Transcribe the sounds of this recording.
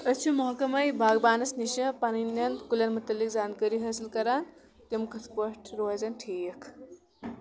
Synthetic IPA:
ɐt͡ʃʰumɐɦkɐmɐjbʱaɡbaːnɐsniʃɐ̃paninɐnkuljɐnmut̪ɐlːikd͡zaːnkɐɾiɦɐsilkɐɾan | t̪emkɐt̪ʰpoʈʰɾozɐnʈʰiːkʰ

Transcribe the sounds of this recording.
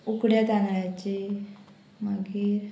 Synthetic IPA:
ukɽjat̪anɭjat͡ɕi | maɡiːɾ

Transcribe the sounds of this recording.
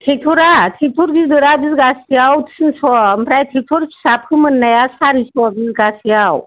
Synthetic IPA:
t̪ʰet̪ʰuɾat̪ʰit̪ʰuɾɡizd̪əɾabizɡasijawt̪ʰi̥sɨnsɔmpɾajt̪ʰit̪ʰuɾkʰi̥sab̚kʰɯmənːajasaɾispɔbizɡasjaw

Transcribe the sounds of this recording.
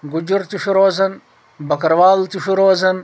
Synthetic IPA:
ɡud͡ʑuɾt̪uʂuɾoːzɐn | bɐkɐɾʋaːlt̪uɕuɾoːzɐn

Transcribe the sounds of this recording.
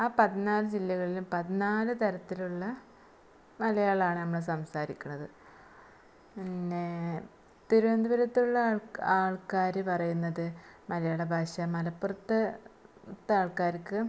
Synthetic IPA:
aːpɐðinaːlɨd͡ʑilːɐɣɐɭilumpɐðinaːlɨt̪ɐɾɐt̪ːiluɭːɐ | mɐlɐjaːɭaːɳɨnɐmːɐɭes̬ɐmsaːɾikʲːuɳɐðɨ | pinːe | t̪iɾuʋɐnd̪uʋɐɾɐt̪ːuɭːɐɭaːɭkaːɾɨpɐrɐjunːɐðɨmɐlɐjaːɭebʱaːɕɐmɐlɐpːurɐt̪ːɐ | t̪ːaːɭkaːɾikːɨ

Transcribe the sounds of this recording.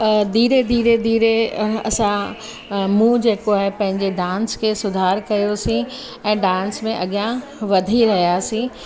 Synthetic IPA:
d̪iːɾed̪iːɾed̪iːɾeɐsã | mũːd͡ʑeːkoaːɦepɐ̃ɦɪ̃ɲd͡ʑeɖãːnskʰeːsʊd̪ʱaːɾkɐjosĩ | ɛ̃ːɖãːnsmẽʔɐɠjã | ʋɐd̪ʱiɾɐɦijasĩː

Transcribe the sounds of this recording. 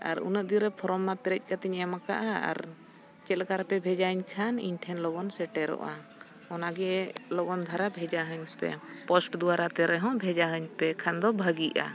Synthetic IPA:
a̰ɾṵnəʔ̚d̪iɾɛpʰɔɾɔmnapɛɾɛc̚ˀkat̪ɛɲɛmaka̰ʔaa̰ɾ | t͡ʃɛlɡaɾpɛbʱɛd͡ʒaɦəɲkʰanḭɲʈʰɛnlɔɡɔnsɛʈɛɾɔ̰ʔa̰ | ɔnaɡɛlɔɡɔnd̪ʱaɾabʱɛd͡ʒaɦəɲpɛ̰pɔsʈd̪uaɾat̪ɛɾɛɦɔ̃bʱɛd͡ʒaɦəɲpɛkʰand̪ɔbʱəɡiʔa̰

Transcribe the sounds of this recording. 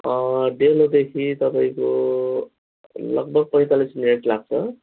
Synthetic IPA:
ʌɖelod̪ekʰit̪ʌpaĩko | lʌ̰ɡ̚bʌɡ̚pʌit̪alismineʈlaɡ̚t͡sʰʌ

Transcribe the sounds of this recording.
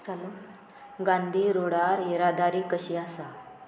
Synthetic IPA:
t͡salo | ɡãnd̪ʱiːɾoɽaɾeɾad̪ʱaɾiːkəɕiasa

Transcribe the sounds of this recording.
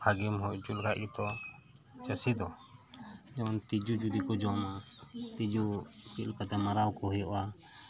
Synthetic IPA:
pʰaɡimɦuʔd͡ʒulɡʱaʔɡit̪ɔ | t͡ʃəsid̪ɔ | d͡ʒɔnt̪id͡ʒud͡ʒud̪ikɔd͡ʒɔmat̪id͡ʒukilkat̪ɛmaɾawkɔɦɔjɔʔa

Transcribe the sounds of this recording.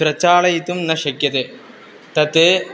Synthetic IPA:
ɾɐt͡ɕːaːɭɐjit̪ːumnɐʂɐkjɐt̪e | t̪ɐt̪ːe

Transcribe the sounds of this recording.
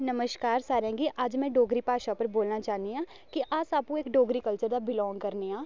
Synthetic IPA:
nəməʃkaːɾsaːɾãːɡiʔad͡ʒmɛ̃ːɖoːɡɾiːpaːʃapəɾboːlnaːt͡ʃaːɦnd̪iãː | kiʔasaːpũeːkɖoːɡɾikəlt͡ʃəɾd̪aːbɪlɔ̃ːŋɡkəɾneãː

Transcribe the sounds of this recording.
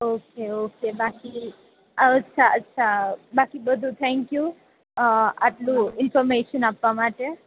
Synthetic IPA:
okeokebaki | ətːʃʰaətːʃʰabakibəd̪ʱut̪ʰɛ̃ŋkju | a̰ʈlũɪnfɔɾmeʃənapʋamaʈe

